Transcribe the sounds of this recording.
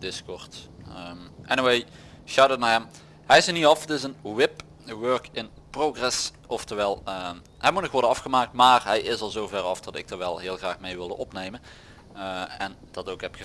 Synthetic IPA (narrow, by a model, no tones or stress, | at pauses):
d̥ɪskɔɹtəmʔɛniwej | ʃawdət̚naɹɦɛm | ɦɛjɪsəniɑfətɪsənwɪp | ʋøɹkɪn | proɣrɛs | ɔftəɹʋɛlˠ | ɦɛjmutnɔxʋɔɹdəɑfχəmaːk̚tmaːrɦɛjʔɪsɑlˠzowvɛrɑfd̥ɑtɪ̰k̚dəɹʋɛlˠɦɪːlˠɣraːxmejʋɪlˠdə̰nɔpnejmən | ɛnd̥ɑtokɦɛpxə